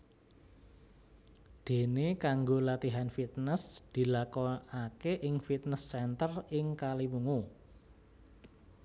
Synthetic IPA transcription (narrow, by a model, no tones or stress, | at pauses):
d̪̥e̤nekaŋɡolat̪iɦanfit̪̚nəsd̪̥i̤lakɔakeʔɪŋfit̪̚nəsːɛnt̪ərɪŋkalimuŋu